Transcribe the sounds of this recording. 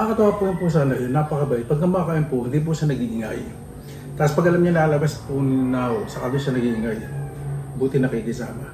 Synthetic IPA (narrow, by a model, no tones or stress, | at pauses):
ɐŋɐkɐt̪ʊhaːpʊjʊnpʊs̬aːnɐonːapɐkɐbaʔɪpɐɡ̚k̪ɐmɐakaːʔɪnpʊʔhɪnd̪iːp̬ʊʃanɐɡiʔɪŋa̰j | t̪aːospɐɡʔɐlamɲɐŋlaːlɐbaspʊnaosɐkad̪oʃɐnɐɡiʔɪŋaj | buːt̪ɪnɐkiɡɪsa̰ːmɐ